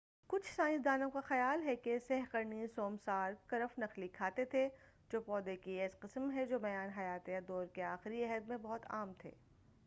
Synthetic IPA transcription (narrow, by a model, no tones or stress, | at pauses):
kʊt͡ʃʰsaːɪ̃ns̬d̪aːnõkaxɐjaːlɦɛkesɛɦqɐɾnisoːmsaːɾkɐɾəfnɐxlikʰaːt̪et̪ʰe | d͡ʒoːpɔːd̪ekieːsqɪsmɦɛd͡ʒoːbɐjaːnɦɐjaːt̪ejad̪ɔːɾkeaːxɪɾiɛɦəd̪mẽbɔɦʊt̪a̰ːmt̪ʰḛː